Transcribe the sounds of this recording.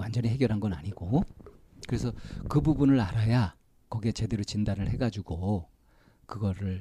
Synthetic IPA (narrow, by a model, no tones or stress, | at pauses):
wand͡ʑʌnɲiɦe̞ɡjʌɾɦanɡʌnaɲiɡo | kɯɾe̞sʰʌkɯbubunɯɾaɾaja | kʌɡiet͡ɕe̞de̞ɾot͡ɕindanɯɭhe̞ɡad͡ʑuɡo | kɯɡʌɾɯɭ